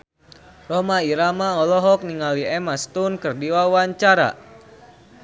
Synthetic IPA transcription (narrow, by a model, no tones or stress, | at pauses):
rɔmaiɾamaɔlɔɦɔk̚niŋaliɛmast̪unkɨrdiwawaɲt͡ʃaɾa̰